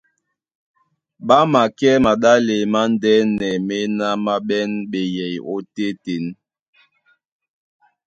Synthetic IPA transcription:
ɓa˦ma˨kɛ˦ma˨ɗa˦le˨ma˦n˦dɛ˦nɛ˨me˦na˦ma˦ɓɛ˦nɓe˨jɛ˨jo̰˦te˦te˨˦n

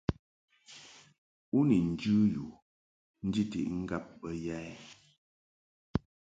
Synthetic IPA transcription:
u˦ni˨n̩˨d͡ʒʉ˦ju˨ | n̩˦d͡ʒi˦tḭ˨ʔŋ̩˦ɡa˦p̚ːə˦ja˦ɛ˦

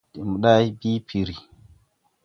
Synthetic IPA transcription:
ɗi˨mu˨ɗa˦jbi˦pʰi˨ɾi˨

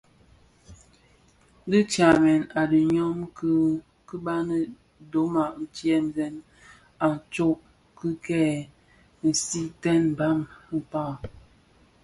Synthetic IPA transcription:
di˦t͡ʃa˨mɛ˨na˨də˨ɲɔ˦mk | kə˦ba˦nə˦ | do˨˦ma˨ʔn̩˨t͡ʃi˦ɛ˦m˨zɛ˦n | a˨n˨t͡ʃo˦ʔ | kɨ˦kɛː˦˨ | n̩˨si˦tɛ˦n˨ba˦mə˦pa˦˨

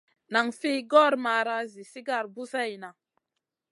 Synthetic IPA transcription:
na˨ŋfi˦ɡɔ˦ɾma˨ɾa˦zi˨si˦ɡa˦˨ɾbu˦sa˦ji˨na˨

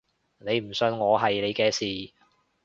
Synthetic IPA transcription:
ne˨˧jm̩˨˩sɵ˧nŋɔː˨˧ɦɐ˨jle˨˧jkɛː˧siː˨˩

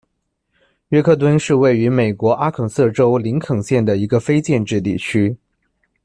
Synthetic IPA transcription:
ɥɛ˥kʰɤ˥˩t̪wə˥nʂɻ̩˥˧we˥˩ɪy˧˥me˨˩ɪkwɔ˧˥ʔa˥kʰɤ˨˩sɤ˥˩ʈ͡ʂo˥ʊli˧˥ŋkʰɤ˨˩ŋɕjɛ˥˩nd̪ə˩i˧˥ɡə˧fe˥ɪt͡ɕjɛ˥˧nʈ͡ʂɻ̩˥˧t̪i˥˩t͡ɕʰy˥

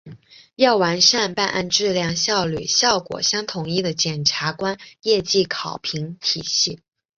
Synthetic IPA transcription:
jɑ˥˩ʊwa˧˥nʂa˥˧npa˥˧nʔa̰˥˧nʈ͡ʂɻ̩˥˧ljɑ˥˧ŋɕjɑ˥˧ʊly̰˥˨˩ɕjɑ˥˩ʊkwɔ̰˨˩ɕjɑ˥ŋt̪ʰʊ˧˩ŋi˥˩d̪ə˩t͡ɕjɛ˨˩nʈ͡ʂʰa˧˥kwa˥njɛ˥˧t͡ɕi˥˩kʰɑ˨˩ʊpʰi˧˥ŋt̪ʰi˨˩ɕi˥˩

